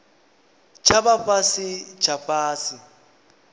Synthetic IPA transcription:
t͡ʃʰabaɸasɪt͡ʃʰafaːsɪ

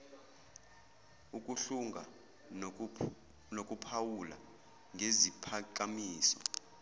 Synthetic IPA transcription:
uk̬ʼuɬuŋʱa | nokʼupʰawula̰ | ŋɡʱezipʰak̬ʼamiːsɔ

